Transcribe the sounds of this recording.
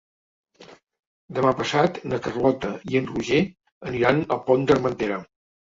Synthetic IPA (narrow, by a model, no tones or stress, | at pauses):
d̪əmapəsat̪nəkərlɔt̪əiənruʒe | əniɾanəlˠpond̪ərmənt̪eɾə